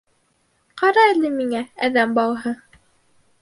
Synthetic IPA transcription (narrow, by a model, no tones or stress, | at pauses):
qɑɾɑilɘmiŋææðæmbɑw̪ˠɦɤ